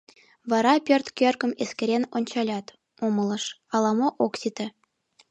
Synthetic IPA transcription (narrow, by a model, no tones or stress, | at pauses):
vɑɾɑpʲørt̪kʲørkə̆meskeɾʲenonʲt͡ɕɑlʲɑt̪ | omɤ̆lˠɤ̆ʃɑlˠɑmoʔoksit̪ə̆